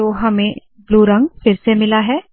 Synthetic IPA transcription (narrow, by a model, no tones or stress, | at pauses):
oɦɐmẽ | bluːɾɐ̃ŋɡfɪɾsemɪlaɦɛː